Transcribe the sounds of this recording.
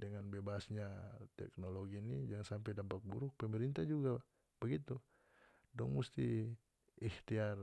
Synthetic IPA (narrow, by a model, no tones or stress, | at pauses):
dəŋanbebasɲat̪ɛ̰k̚noloɡinid͡ʒaŋsampɛjdampak̚buɾʊk̚pəmɛɾint̪ad͡ʒuɡa | bəɡit̪u | dɔŋmust̪i | iht̪iar